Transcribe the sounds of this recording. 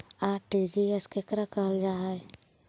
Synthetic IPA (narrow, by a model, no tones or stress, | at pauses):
aːʈid͡ʒieskekɾakəɦld͡ʒaːɦe